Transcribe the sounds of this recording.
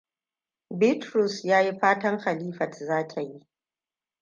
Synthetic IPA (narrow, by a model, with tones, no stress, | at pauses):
bɪ˦tɾʊ˨sjaː˦ji˦ɸaː˦tɐ˦ŋxa˨liː˦ɸɐ˨tzaː˦tʰa˨ji˦ʔ